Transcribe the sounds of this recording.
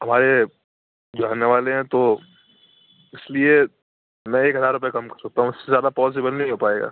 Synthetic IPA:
ɦɐmaːɾe | d͡ʒaːneʋaːleɦɛ̃t̪o | ɪslie | mɛ̃eːkɦɐzaːɾʊp̬ɛjekɐmkɐɾsɐk̚t̪aɦũɪssezjaːd̪apɔːs̬ɪbəlnɐɦĩɦoːpaːeːɡa̰ː

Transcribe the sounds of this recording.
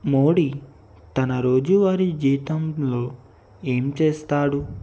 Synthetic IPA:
mo̞ːɽi | t̪ɐnɐɾo̞ːd͡ʒuʋaːɾid͡ʒiːt̪ɐmlo̞ː | e̞ːmt͡ʃeːst̪aːɽu

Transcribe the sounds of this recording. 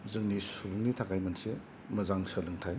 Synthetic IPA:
zɯŋnisubuŋnitʰakajmɐnse | mɐzaŋsəlɯŋtʰaj

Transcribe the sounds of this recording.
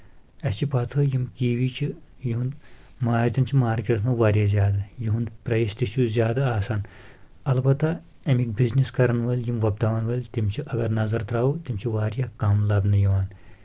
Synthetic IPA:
ɐt͡ʃʰipɐt̪ʰɨjimkiːʋit͡ʃʰijiɦũnd̪ | maːɾt̪ʲɐnt͡ʃʰimaːɾkʲeɽt̪ʰmɐʋaːɾʲjaːzʲjaːd̪ajiɦũnd̪pɾɐist̪it͡ʃuzʲjaːd̪aːsaːn | ɐlbɐt̪ːa | ɐmik̚bizniskɐɾɐnʋɐlʲjimʋɐb̚d̪aːʋɐnʋɐlʲt̪imt͡ʃʰiʔɐɡɐɾnɐzɐɾt̪ʰɾaːwut̪imʲt͡ʃʰiʋaːɾʲjaːkaːmlaːbnɐjiʋaːn

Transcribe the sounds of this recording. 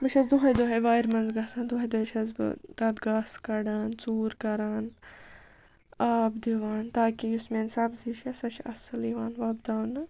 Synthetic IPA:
bɨʃʰʲɐzd̪uɦɐd̪oɦeʋaːjɾmɐnzɡɐːsaːnd̪uɦɐjd̪oɦet͡ʃʰɐzbɨ̰t̪ɐd̪ɡaːskɐɽaːnt͡suːɾkɐɾaːn | aːbd̪iʋaːnt̪aːkijusmeːnsɐbziʃʰɐsɐʃʰɐsɐliʋaːnʋaːbd̪aːnɨ

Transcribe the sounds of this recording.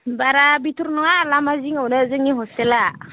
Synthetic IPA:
baɾabituɾnɔŋalamaziŋawlazeŋiɦɔstɛla

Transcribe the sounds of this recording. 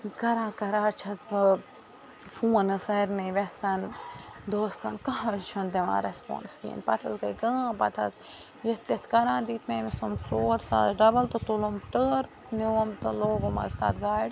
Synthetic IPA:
kɐɾãːkɐɾaːt͡ʃʰɐsbɐ | fuːɐnɨsɐjɾnɨʋɛsɐnd̪oːst̪ɐnkɐɦãt͡ʃʰɐnd̪eʋã̰ːɾespõ̰ːnskḭːnpɐt̪ʰɐsɡɐjɡãːpɐt̪ʰɐ̰s | jɐt̪ːet̪ʰkɐɾãːd̪iːt̪ʰmeːmisumfloːɾsa̰ːzɖɐbɐlt̪ot̪ulumʈəːɾ | niwomt̪oloːɡomɐ̰st̪a̰ːt̪ɡaːɖ

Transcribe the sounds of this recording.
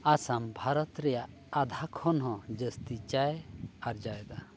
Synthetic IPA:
asambʱaɾɔt̪ɾɛjaʔ | ad̪ʱakʰɔnɦɔ̃d͡ʒəst̪it͡ʃajɛaɾd͡ʒajɛd̪a

